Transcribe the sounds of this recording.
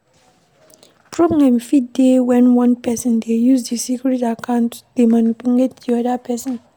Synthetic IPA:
pʰɹɔblɛ̃mfitdewɛ̃nwʌ̃npɛsɔ̃ndejuzdesikɹitakʰãʊ̃ntdemanipuletdiɔdapʰɛsɔ̃n

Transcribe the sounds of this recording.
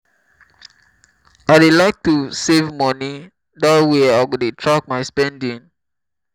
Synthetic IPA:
aɪdelaɪk̚tusevmɔni | datweaɪɡodetʰɹak̚maɪspɛ̃ndĩŋ

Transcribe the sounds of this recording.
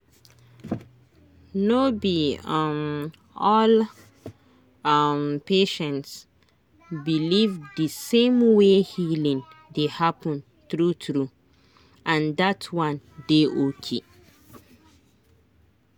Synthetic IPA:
nobiʌm | ɔl | mpeʃɛ̃nts | bilivdəsẽmwehilĩndehapə̃n | θɹuθɹu | ʔãndatʰwãndeʔokʰe

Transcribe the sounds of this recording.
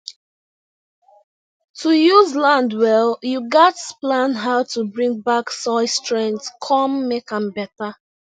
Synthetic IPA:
tʰujuzlãndwɛlˠjuɡatplãnɦaʊtʰubɹĩŋ̚baksɔɪstɹɛ̃ŋttkʰɔmːekãmbɛta

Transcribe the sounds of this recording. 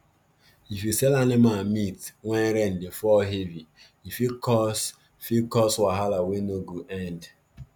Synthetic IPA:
ifisɛlanemamitŋʷɛnɾen̩defɔɦevi | ifikɔs | fikɔswaɦalawenoɡuʔɛnd

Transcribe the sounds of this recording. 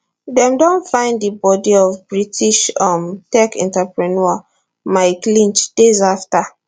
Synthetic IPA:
dɛ̃mdõnfãɪ̃nddibɔdiɔvbɹitʰiʃɔmtɛkɛ̰̃ntapɹinɔa | maɪklĩnt͡ʃd̥ezafta

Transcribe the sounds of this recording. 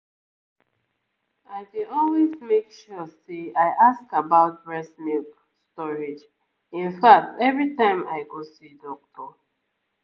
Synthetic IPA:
aɪdiɔlwezmekʃuseaɪʔaskabaʊt̚bɹɛsmik | stɔɹid͡ʒ | ĩnfak̚tɛvɹitãɪ̃ma̰ɪɡosidɔk̚tʰɔ

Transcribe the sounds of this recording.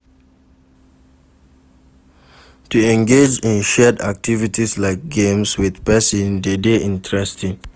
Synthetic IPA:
tuɛ̃ŋɡed͡ʒĩnʃɛda̰k̚tʰivitislaɪk̚ɡẽmswiðpɛsɔ̃ndedeʔĩntʰɹɛstĩŋ

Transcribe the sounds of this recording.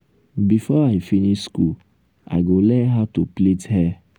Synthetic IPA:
bifɔaɪfinisskul | a̰ɪɡolɛɦatuplethɛ

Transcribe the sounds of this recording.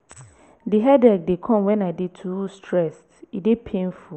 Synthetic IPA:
diɦɛdɛk̚dekʰɔ̃mwɛ̃naɪdetʰuustʰɹɛstidepʰẽnfu

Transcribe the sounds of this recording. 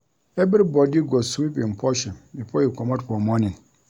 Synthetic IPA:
ɛbɾibɔdiɡɔsibɪ̃m̩pʰɔɕɛ̃mbipʰoikʰɔmãdpʰɔmɔ̃nɪ̃n

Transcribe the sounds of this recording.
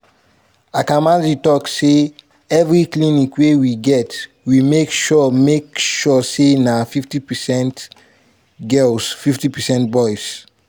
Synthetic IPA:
akãmãzitɔkse | ɛvɹiklĩnikwewiɡɛt | wimekʃɔmekʃɔsenafiftipɛsɛ̃nt | ɡɛlsfiftipɛsɛ̃nt̚bɔjs

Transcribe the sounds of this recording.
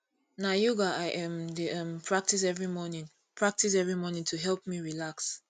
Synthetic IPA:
najuɡaaɪʔɛ̃mdiɛ̃mpʰɹ̥ak̚tis̬ɛvɹimɔnĩŋ | pʰɹak̚tis̬ɛvɹimɔnĩŋtʰuɦɛlp̚miɹilaks

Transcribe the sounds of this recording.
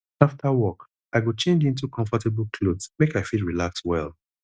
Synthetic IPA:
aftʰawɔk | aɪɡot͡ʃẽnd͡ʒĩnt̬ukʰɔ̃ɱfɔtɛblˠkʰlodsmekaɪfidɹilakswɛ̰l

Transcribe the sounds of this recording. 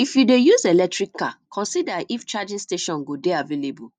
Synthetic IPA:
ifjudejuzelɛk̚tɹikʰːakʰɔ̃nsidaʔift͡ʃad͡ʒĩsteʃɔ̃nɡodeavelebu

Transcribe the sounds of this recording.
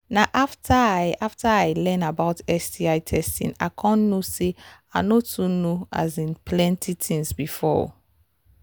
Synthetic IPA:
naʔaftʰaajʔaftaaɪlɛ̃nabaʊtɛsdiaɪtʰɛstḭ̃na̰kʰɔ̃nːoseanotunoa̰zĩnpʰlɛ̃ntʰitʰĩŋsbifɔ̰

